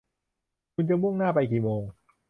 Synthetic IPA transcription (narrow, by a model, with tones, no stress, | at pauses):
kʰu˧nt͡ɕa˨mu˥˩ŋnaː˥˩pa˧jkiː˨˩moː˧ŋ